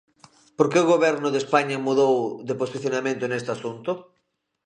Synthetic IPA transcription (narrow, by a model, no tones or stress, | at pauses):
poɾkeʊɣ̞oβɛɾnʊðespaɲamuðowðeposiθjonamẽnt̪oenest̪asunt̪ʊ